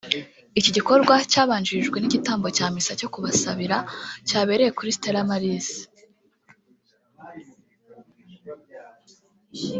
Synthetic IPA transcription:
iciɟiko̞ɾɡwacaːβaːɲd͡ʒiʒɡwe̞niɟitaːmbo̞caːmisaco̞kuβasaβiɾacaːβe̞ɾe̞je̞kuɾisi̥teɾamaɾizi

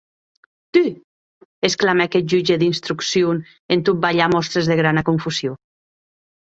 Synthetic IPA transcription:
t̪i | esklamekɛt̪̚ʒud͡ʒeðinst̪ɾuksjon | ent̪ut̪̚baʎamɔst̪ɾezðeɣɾanakuɱfusjo

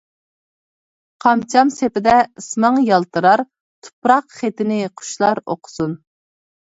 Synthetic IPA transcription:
qʰɑmt͡ʃʰɑmsepɪd̪ɛɨsmɑŋjɑlˠt̪ɨɾɑɾ | t̪ʰu̥pɾɑqχet̪ɪnɪqʰʊ̥ʃlˠɑɾo̰qʰʊ̥sun

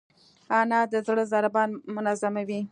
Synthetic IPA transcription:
ɑnɑd̪əzɽəzɑɾɪbɑnmʊnazamawi

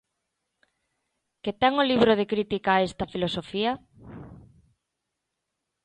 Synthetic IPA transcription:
ket̪ɛŋoliβɾoð̞ekɾit̪ikaːest̪ɐfilosofiɐ

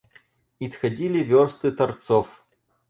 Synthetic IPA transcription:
isxɐdʲilʲɪvʲɔrst̪ɨt̪ɐrt̪sɔf

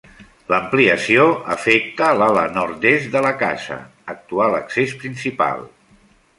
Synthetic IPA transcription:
ləmpliəsioəfɛk̚t̪əlalənɔɾt̪est̪d̪ələka̰zə̰ | ək̚t̪ualəksespɾinsipa̰lˠ

